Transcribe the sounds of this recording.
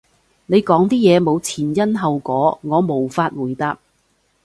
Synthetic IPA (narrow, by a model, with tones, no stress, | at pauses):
ne˨˧jkɔː˨˥ŋt̪iː˥jɛː˨˧mo˨˧wt͡sʰiː˨˩njɐ˥nɦɐ˨wkɔː˨˥ŋɔː˨˧mo˨˩wfaː˧t̚wuː˨˩jt̪aː˧p̚